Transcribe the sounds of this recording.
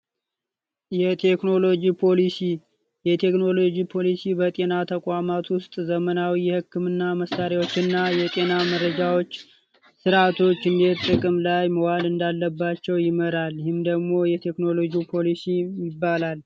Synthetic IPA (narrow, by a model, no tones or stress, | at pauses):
jɛt̪ʰekno̞lo̞d͡ʒipʰo̞lisi | jɛt̪ʰe̞kno̞lo̞d͡ʒipʰo̞lisibət̪ʼe̞nat̪ʰəkʼwamat̪wʊst̪ʼzəmənawijɛhɨkːɨmɨnːaməsːaɾjawo̞t͡ʃːɨnːajɛt̪ʼe̞namərːəd͡ʒawo̞t͡ʃː | sɨɾat̪ʰo̞t͡ʃːɨnd̪et̪t̪ʼɨkʼɨmlajməwalɨnd̪alːəbːat͡ʃːɛwjɪməɾalhɪmd̪əɡmo̞jɛt̪ʰe̞kno̞lo̞d͡ʒiupʰo̞lisijɪbːalal